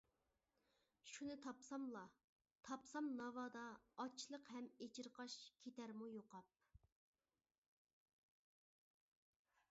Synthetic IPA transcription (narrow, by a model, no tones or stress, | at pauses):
ʃunɨt̪ʰɑpsɑmlˠɑ | t̪ʰɑpsɑmnɑvɑd̪ɑːt͡ʃʰːlˠəqhɛmet͡ʃʰiɾqʰɑʃkʲʰet̪æɾmujoqɑp̚